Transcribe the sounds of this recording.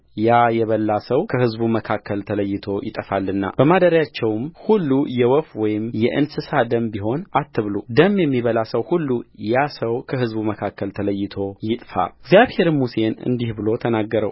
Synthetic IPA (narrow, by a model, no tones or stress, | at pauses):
jajɛβəlːasəwkʰəhɨzbuməkʰakːəlt̪ʰələjːɪt̪ʰo̞jɪ̰t̪ʼəfalːɨnːa̰b̥əmad̪əɾjat͡ʃːɛwmhulːujɛwɔfwɔjɪmjɛʔɨnsɨsad̪əmbiɦo̞nat̪ːɨβlud̪əmːjɛmːiβəlasəwhulːujasəwkʰəɦɨzbuməkʰakːəlt̪ʰələjːɪt̪ʰo̞jɪt̪ʼfa̰ɛɡzjaβhe̞ɾmuse̞nɨ̰nd̪ihbɨlo̞t̪ʰənaɡːəɾəw